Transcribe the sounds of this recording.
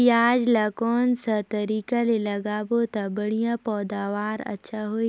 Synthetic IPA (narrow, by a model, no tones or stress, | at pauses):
aːd͡ʒlakɔːnsat̪ɐɾiːkalelɐɡaːbot̪abɐɽijãpɔːd̪aːʋaːɾɐ̰tːʃʰaɦoːi